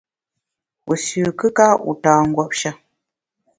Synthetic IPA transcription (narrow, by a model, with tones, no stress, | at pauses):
u˨sʉː˨kɨ˦ka˦ʔṵ˨taː˨ŋ̩˨ɡwɔ˦˨p̚ʃa˦